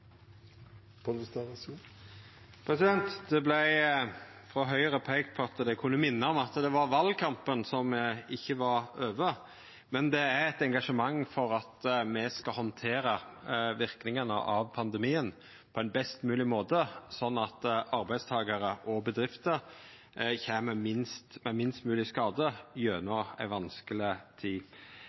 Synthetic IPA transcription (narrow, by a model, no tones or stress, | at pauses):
p̪ʰst̪ | pʰɾɛsɪd̪ɛnt̪d̪ɛblæɪ | fɾɔɦœʏəɾəpʰɛkt̪̚pʰɔɑt̪d̪ɛkʰʉnːəmɪnːəɔmɑt̪d̪ɛʋɑɾʋɑlkʰɑmpənsɔmɪçːəʋɑɾøːʋə | mɛnd̪ɛæɾɛt̪ɛŋɡɑʂəmɑŋːfɔɾɑt̪mɛskɑɦɔnt̪ʰeːɾəʋɪɾknɪŋənə̰ʔɑʋpʰɑnd̪ɛmiːən | pʰɔænbɛst̪mʉːlɪmoːt̪əsɔnːɑt̪ɑɾbæɪst̪ʰɑːɡəɾəʔɔbəd̪ɾɪft̪əɾ | çeːməmɪnst̪mɛmɪnst̪mʉːlɪskɑːd̪əjøːnoæ̰ɪʋɑnskəlɪt̪ʰiː